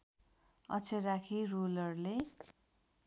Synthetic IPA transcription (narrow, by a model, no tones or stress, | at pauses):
ʌ̰t͡sʰerakʰirulʌrle